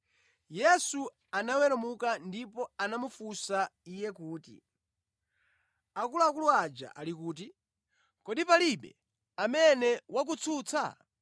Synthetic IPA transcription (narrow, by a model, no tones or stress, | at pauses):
jɛsu | anawɛɾamukandipɔanamufusaijɛkuːtḭ | akuluakuluad͡ʒa̰ʔalikuːt̬i | kɔɗipaliɓɛ̰ | amɛnɛwak̬ut͡sʰut͡sʰa̰